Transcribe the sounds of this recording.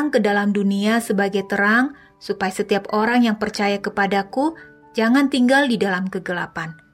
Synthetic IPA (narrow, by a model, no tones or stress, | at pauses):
ŋkədalamduniasəbaɡajt̪əɾaŋ | supajasət̪iapoɾaŋjaŋpərt͡ʃajakəpadaku | d͡ʒaŋant̪iŋɡaldidalamkəɡəla̰pan